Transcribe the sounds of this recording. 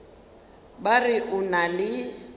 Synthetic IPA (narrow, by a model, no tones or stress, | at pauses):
barɪʔʊnalɪ